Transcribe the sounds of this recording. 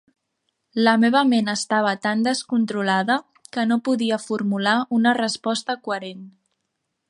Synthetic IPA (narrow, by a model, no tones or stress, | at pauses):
ləmeβ̞əmenəst̪aβ̞ət̪and̪əskunt̪ɾulaðə | kənopuðiəfuɾmulaunərəspɔst̪əkuəɾen